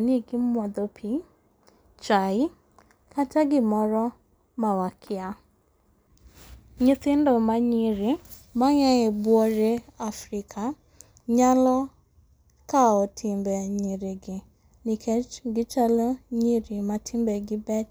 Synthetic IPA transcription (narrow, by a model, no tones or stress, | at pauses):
niɡɪmʷad̪opʰi | t͡ʃajɪ | kʰataɡɪmɔɾɔ | mawakʰɪa | ɲɪθɪn̩dɔmaɲiɾɪ | maɲaebuɔɾeafɾikʰa | ɲalɔ | kaɔtʰɪmbɛɲiɾɪɡɪ | nikʰɛɡɪt͡ʃaloɲiɾɪmatʰimbɛɡɪbɛt͡ʃ